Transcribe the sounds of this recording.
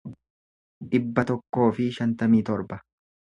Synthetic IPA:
ᶑɪbːɐt̪ɔkːo̞ːfɪʃɐnt̪ɐmiːt̪ɔɾbɐ

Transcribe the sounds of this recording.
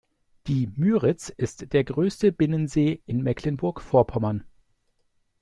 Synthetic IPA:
d̥iːmyːʁɪt͡sɪstd̥eːɐɡʁøːstəbɪnənzeːʔɪnmɛkʰlənbʊɐkfoːɐpʰɔmɐn

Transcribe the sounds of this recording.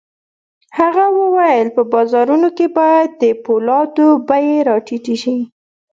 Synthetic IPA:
haɣawəwajəlpəbɑzɑɾunokebɑjad̪ːəpolɑd̪obajeɾɑʈiʈiʃi

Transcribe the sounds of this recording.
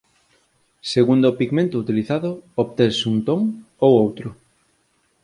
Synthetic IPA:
seɣund̪opiɣmẽnt̪ʊut̪iliθaðʊoβt̪esuŋt̪oŋ | owowt̪ɾʊ

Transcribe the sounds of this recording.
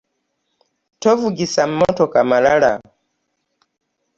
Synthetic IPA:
tɔvuɡisam̩mɔtɔkamalaɺa̰

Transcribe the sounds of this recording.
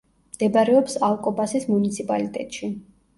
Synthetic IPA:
md̪̥ɛbaɾɛɔpsalˠkʼɔbasismunit̪sʰipʼalit̪ʼɛ̰t̪ʼʃi

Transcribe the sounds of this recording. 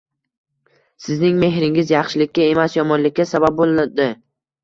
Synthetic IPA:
sɪznɪŋme̞ɦɾɪŋɪzjɑχʃɪlɪkʲːae̞masjɒmɒnlɪkʲːasabap̚bolˠd̪ɪ

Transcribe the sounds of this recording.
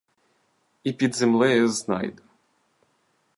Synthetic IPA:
ipʲid̪zemlˠɛjɛznɑ̰jd̪

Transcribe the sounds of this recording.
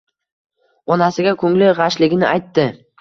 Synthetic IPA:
ɒnasɪɡʲakʰɵŋlɪʁaʃlɪɡʲɪnɪʔajt̪ːɪ

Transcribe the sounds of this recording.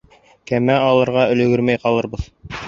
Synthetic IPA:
kæmæɑlˠɤ̆ɾʁɑɵ̆lɵ̆ɡɵɾmæjqɑlˠɤɾbɤð

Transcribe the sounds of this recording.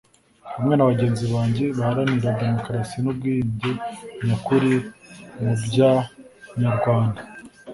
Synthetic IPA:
hamŋe̞naβaɟe̞ːnziβaːɲɟe̞βahaɾaniɾade̞mo̞kɾasinub̚ɡiːɲɟeɲakuɾimubɟaɲaɾɡwaːndḁ

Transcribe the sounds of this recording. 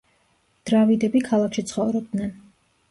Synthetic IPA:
d̪̥ɾavid̪ɛbikʰalˠakʰʃit̪sʰχɔvɾɔb̚d̪nɛn

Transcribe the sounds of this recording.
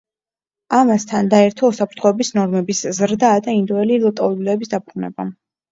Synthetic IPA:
amast̪ʰand̪aɛɾt̪ʰɔusapʰɾt̪ʰχɔɛbisnɔɾmɛbiszɾd̪aːd̪aind̪ɔɛlilˠɔt̪ʼɔd̪ulɛɛbisd̪abʁunɛ̰ba̰

